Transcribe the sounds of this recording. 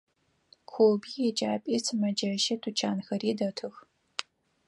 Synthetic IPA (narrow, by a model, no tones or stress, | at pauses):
kʷʰoːbiːjɛd͡ʒʼaːpʼiːsʰɨmɐd͡ʒɐʃɐtʰut͡ʃʰaːnxɐɾiːdɐtʰɨx